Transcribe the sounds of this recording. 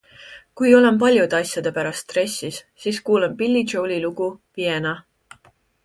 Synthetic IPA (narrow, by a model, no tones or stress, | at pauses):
kujo̞le̞mp̬ɑlʲjud̪̥ɑsʲjɑd̪e̞pæɾɑst̪ːre̞sʲːis | siːskuːlempilʲːi̥ʒowlʲiluɡ̥upienɑ